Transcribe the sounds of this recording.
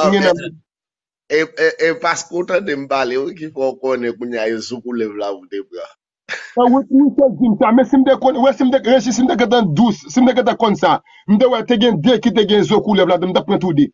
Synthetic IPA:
ɛ̃nã | eepaskeotãdem̩baleok̬ifɔokonɛ̃kũɲaezokulɛblaudeba | awetnũted͡ʒim̩tamɛ̃sim̩tekɔ̃nwesim̩teɾeʃ̬is̬im̩tek̬ãt̬ãdusim̩tek̬ãt̬ãkɔ̃nsa | m̩dewɛteɡẽdekit̬eɡẽzokulɛbladɨ̃m̩tapẽtude

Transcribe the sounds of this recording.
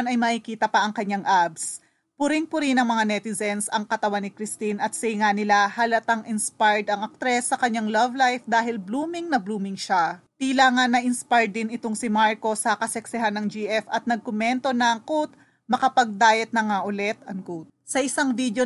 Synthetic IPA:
nɐjmɐʔikiːt̪ɐpɐʔɐŋkɐɲːaŋʔabs | pʊɾɪŋpʊɾinɐŋmɐŋanɛt̪ɪzɛnsɐŋkɐt̪ɐwanːɪkɾɪst̪inɐt̪̚sɐɪŋanɪlahɐlɐt̪aŋʔɪnspajɹd̪ɐŋɐk̚t̪ɾɛsːɐkɐɲːaŋlɐvlajfd̪aːɦɪlbluːmɪŋnɐbluːmɪŋʃat̪ilaːŋɐnːɐʔɪnspajd̪ɪnɪt̪oŋsɪmaɹko̞sɐkɐsɛksɪɦanːɐŋd͡ʒiʔɛfɐt̪̚nɐɡ̚kʊmɛnt̪o̞nɐŋkut̪̚ | mɐkɐpɐɡ̚d̪aːjɐt̪nɐŋaʔʊlɛt̪ɐŋkut̪̚sɐʔɪsaŋvid̪jo

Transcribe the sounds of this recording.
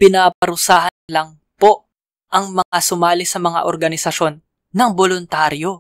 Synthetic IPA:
pɪnapɐɾʊsaːɦɐnlɐŋ | po̞ | ʔɐŋmɐŋasʊmaːlɪsɐmɐŋa̰ʔoɾɡɐnɪsɐʃo̞nː | ɐŋbolʊnt̪aːɾjo̞

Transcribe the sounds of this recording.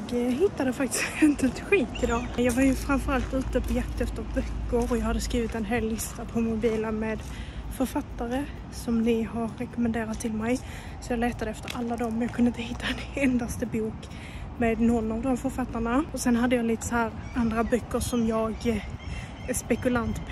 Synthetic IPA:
jɡɦɪt̪ːad̪əfak̚t̪ɪ̥skɛvɛnt̪lɪt̪ɧiːt̪ɪd̪ɑːjɑːɡvaɾjɵfɾamfœɾalt̪ʉ̟ːt̪əpʰɔjakt̪ɛft̪əɾbœkːəɾɔjɑːhad̪ːəskɾiːvɪt̪ɛnɦeːlːɪst̪apʰɔmʊbiːlameːd̪ | fœɾfat̪ːaɾə | sɔmnɪɦaɾːɛkɔmɛnd̪eːɾat̪ʰːɪlmɛj | sɔjɑːɡlɛːt̪ad̪əɛft̪əɾʔalːad̪ɔmːjɑːkʰɵnəɪt̪əhɪt̪ːaɛnɛnd̪ast̪əbuːk | meːd̪nɔnːavd̪ɔmfœɾfat̪ːaɳaɔsɛnɦad̪ːəjɑliːt̪ə̥sɔhæːɾ | and̪ɾabœkːəʂɔmjɑːɡ | æʂpɛkɵlant̪

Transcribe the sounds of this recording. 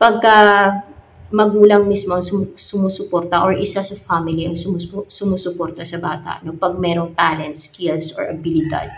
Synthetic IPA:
pɐɡ̚kɐ | mɐɡuːlɐŋmismoɐŋsʊmsʊmuːsʊpoɾt̪ɐʔoɹʔɪsasɐfamɪliʔɐŋsʊmsʊmuːsʊpoːɾt̪ɐsɐbaːt̪ɐ̰ʔno̞pɐɡ̚mɛːɾoŋt̪aːlɛnt̪̚skilsʔo̰ɹʔɐbɪlɪd̪a̰d̪̚

